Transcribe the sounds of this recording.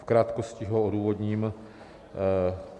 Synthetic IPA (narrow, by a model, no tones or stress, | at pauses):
fkɾaːt̪koscɪɦooduːvodɲiːm